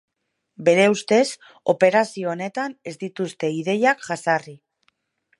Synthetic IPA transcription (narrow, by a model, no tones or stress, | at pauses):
be̞ɾe̞ust̪e̞s | o̞pe̞ɾasio̞ːne̞t̪ane̞zd̪it̪ust̪e̞iðe̞jakʝasari